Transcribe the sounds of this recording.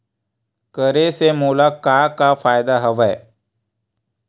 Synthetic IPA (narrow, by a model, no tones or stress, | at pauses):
kəɾesemoːlakakafaːjd̪aɦəʋɛ